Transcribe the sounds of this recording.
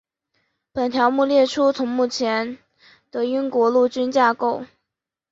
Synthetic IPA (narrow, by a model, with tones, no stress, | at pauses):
pə˨˩nt̪ʰjɑ˧˥ʊmu˥˧ljɛ˥˩ʈ͡ʂʰu˥t͡sʰʊ˧˥ŋmu˥˩t͡ɕʰjɛ˧˥n | t̪ə˧y˥nkwɔ˧˥lu˥˩t͡ɕy˥nt͡ɕja˥˧ko˥˩ʊ